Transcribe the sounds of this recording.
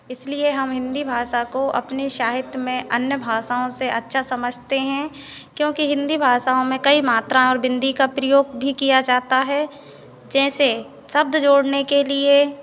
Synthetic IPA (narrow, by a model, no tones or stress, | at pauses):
ɪslieɦɐmɦɪ̃nd̪ibʱaːʃakoʔɐ̰pneʃaːɦɪt̪jəmẽʔɐnjəbʱaːʃaːõseʔɐ̰tːʃʰasɐməd͡ʒʱt̪eɦɛ̃ | kjõːkiɦɪ̃nd̪ibʱaːʃaõmẽkɐimaːt̪ɾãɔːɾbɪ̃nd̪ikapɾəjoːɡ̚bʱikijad͡ʒaːɦt̪aɦɛ | d͡ʒɛ̃ːse | sɐb̚d̪d͡ʒoːɽnekelie